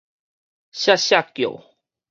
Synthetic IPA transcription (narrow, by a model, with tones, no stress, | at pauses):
ɕa˥ɕa˥˨kjo̰˨˩w